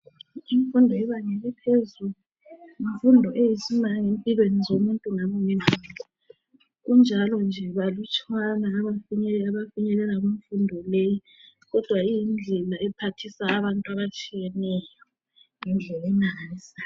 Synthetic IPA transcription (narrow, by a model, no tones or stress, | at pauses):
iɱfundʱɔɛβaŋɛlɛpʰezulu | iɱfundʱɔʔejisumaŋempʼilwenizomuntʼuŋamɔŋɛnazɔ | ɣund͡ʒʱalɔnd͡ʒʱɛβalut͡ʃʼwanaːβafuɲɛaβafuɲɛlɛlaɣuɱfundʱɔleji | ɣɔd̥ʱwaijind͡ɮʱɛlaʔɛpʰatʰisaːβantʼuaβat͡ʃʼijɛnɛjɔ | ŋɛnd͡ɮʱɛlɛnaaza